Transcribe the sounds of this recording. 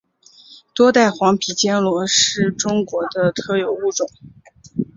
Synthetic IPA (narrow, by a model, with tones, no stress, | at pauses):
t̪wɔ˥t̪a˥˩ɪxwɑ˧˥ŋpʰi˨˩t͡ɕjɛ˥nlwɔ˧˥ʂɻ̩˥˩ʈ͡ʂʊ˥ŋkwɔ˧˥d̪ə˧t̪ʰɤ˥˩jo˨˩ʊu˥˩ʈ͡ʂʊ˨˩˦ŋ